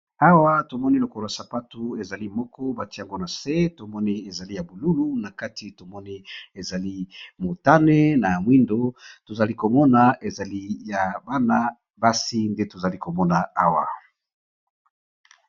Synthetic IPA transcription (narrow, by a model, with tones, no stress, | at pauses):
a˦wa˦to˨mɔ˦ni˦lo˨kɔ˦lo˨a˨sa˨pa˦tu˦e˨za˨li˦mɔ˦kɔ˦ba˨ti˦ja˨ŋɡo˦na˨se˦to˨mɔ˦ni˦e˨za˨li˦ja˨bu˨lu˦lu˦na˨ka˦ti˨to˨mɔ˦ni˦e˨za˨li˦mo˨ta˦ne˦na˨mwi˦ndo˦to˨za˨li˦ko˨mɔ˦na˨ʔe˨za˨li˦ja˨ba˦na˦ | ba˦si˦nde˦to˨za˨li˦ko˨mɔ˦na˨a˦wa̰˨